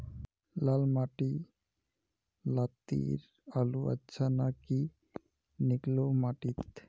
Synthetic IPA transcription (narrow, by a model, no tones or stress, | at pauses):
lalmaʈi | lat̪ːḭɾ | alua̰tːɕʰanaki | niklomaʈit̪